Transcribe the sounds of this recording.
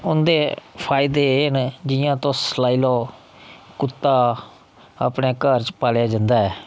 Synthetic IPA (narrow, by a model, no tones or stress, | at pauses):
ʊnd̪eːpʰaːɪd̪eːɪnd͡ʒɪjãːt̪õːslaːiːlɔː | kʊt̪ːaː | a̰ːpneːkəɾt͡ʃpaːljaːd͡ʒãnd̪aːɛː